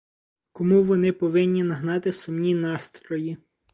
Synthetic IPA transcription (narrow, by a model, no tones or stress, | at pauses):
kɔmuʋɔnɪpɔʋɪnʲːinɐɦnɑt̪ɪsʊmnʲinɑst̪ɾɔji